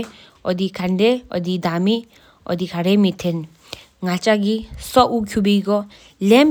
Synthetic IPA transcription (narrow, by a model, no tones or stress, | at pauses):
ɔd̪ikʰandeɔ̰d̪id̪ami | ɔ̰d̪ikʰaɾemit̪ʰen | ŋat͡ʃaɡisɔʔukʰubiɡɔ | lem